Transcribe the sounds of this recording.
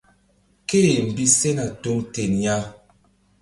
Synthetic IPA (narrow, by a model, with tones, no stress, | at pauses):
ke˦˨m̩˨bi˦sɛ˦na˨to˨˦ŋtɛ˨nja˦